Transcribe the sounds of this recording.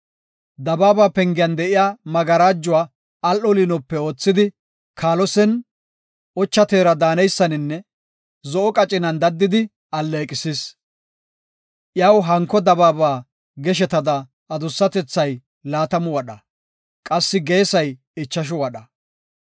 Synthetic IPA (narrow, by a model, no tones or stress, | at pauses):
d̪ɐbaːbaːpɛŋɡɪjɐnd̪ɛʔɪjaːmɐɡɐɾaːd͡ʒːʊwaː | ɐlʔɔlinɔpːɛo̞ːt͡sːɪd̪ɪ | kʰaːlɔsɛn | ɔt͡ʃːɐt̪e̞ːɾɐd̪aːnɛjsːɐnɪnːɛ | zɔʔɔkʼɐt͡ʃʼɪnɐnd̪ɐd̪ːɪd̪ɪ | ɐlːeːkʼɪsis | ʔjɐwɦɐŋkːɔd̪ɐbaːbaː | ɡɛʃ̬ɛt̪ɐd̪ɐː | d̪ʊsːɐt̪ɛt͡sːɐj | laːt̪ɐmʊwɐɗɐ | kʼɐsːɪɡe̞ːsɐj | ɪt͡ʃːɐʃ̬ɔwɐɗɐ